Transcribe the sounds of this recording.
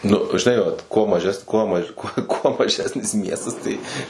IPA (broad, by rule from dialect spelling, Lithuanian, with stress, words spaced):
nʊ ʒʲɪˈnɐɪ ʋɐt kuɔ mɐˈʒʲɛs ˈkuɔ mɐ kuɔ mɐˈʒʲæːsʲnʲɪs ˈmʲiɛstɐs ˈtɐɪ